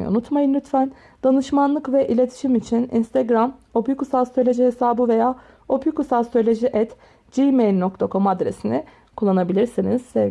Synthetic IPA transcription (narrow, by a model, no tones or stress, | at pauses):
ṵnut̪majɯnlʲyt̪fæn | d̪̥anɯʃmanlˠɯkvɛʔilʲe̞t̪ʰi̥ʃimit͡ʃʰinḭnst̪ʰɛɡɾamo̞pjykusast̪olʲed͡ʒiɦesaːbɯve̞jaː | o̞pʰjykusast̪ʰolʲed͡ʒiʔɛt̪ | d͡ʒimejlʲnok̚t̪ʰakʰo̞mad̪ɾe̞̰sini | kʰulˠːanabilʲiɾsiniz̥sɛ